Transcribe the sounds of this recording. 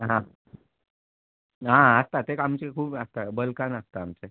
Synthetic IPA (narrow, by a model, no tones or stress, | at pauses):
ɦã | ɦãəst̪at̪ekamt͡ɕekʰuːbəst̪abəlkanəst̪aːmt͡se